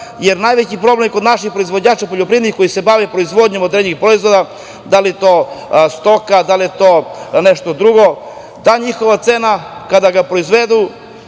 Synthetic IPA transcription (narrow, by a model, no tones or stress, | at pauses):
jeɾnajʋet͡ɕipɾo̞ble̞mko̞d̪naʃixpɾo̞izʋo̞d͡ʑaːt͡ʃapo̞ʎopɾiːd̪nixko̞jise̞baʋepɾoizʋo̞d̪ɲemod̪ɾenixpɾoizʋo̞d̪a | d̪aliet̪oːst̪o̞kad̪aliet̪oːneʃt̪o̞d̪ɾuɡo̞ | d̪aɲixo̞ʋat̪seːnakad̪aɡapɾo̞izʋe̞d̪u